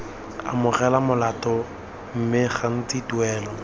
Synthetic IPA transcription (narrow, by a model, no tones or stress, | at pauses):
a̰mʊrɛlamʊlatʼɔ | m̩mɪχan̩t͡sitwɛːlɔ